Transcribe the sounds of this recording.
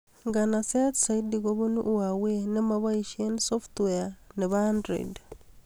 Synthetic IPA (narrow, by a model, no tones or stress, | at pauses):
ŋɡanaset̪saidiɣoβunuʔwawenemaβaiʃiensoft̪weaneβandɾḛd